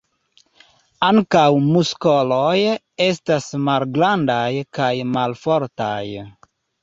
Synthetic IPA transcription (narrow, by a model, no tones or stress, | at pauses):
aŋkawmuskoloj | e̞stasmalɡlandajkajmalfo̞ɾta̰j